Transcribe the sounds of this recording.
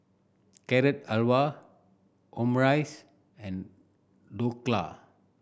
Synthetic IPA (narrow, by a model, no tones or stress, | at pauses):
kɛɾɛt̚alwa | ʔɔ̃mɹajs | ɛ̃n | dokla̰